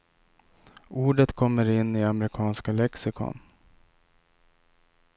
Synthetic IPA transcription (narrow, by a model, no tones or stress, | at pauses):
uːɖət̪kʰɔmːəɾɪnːɪamɾɪkʰɑːnskalɛksɪkʰɔ̰n